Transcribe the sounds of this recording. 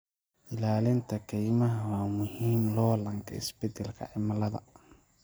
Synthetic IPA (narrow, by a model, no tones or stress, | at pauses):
ʔɪlaːlɪnt̪ʰɐkʰɛjmɐɦɐwaːmʊhiːmlɔːlɐŋkʰɐ̰ɪ̰sbɛd̪ɛlkʰɐ̰ʕɪmɐlɐðɐ̰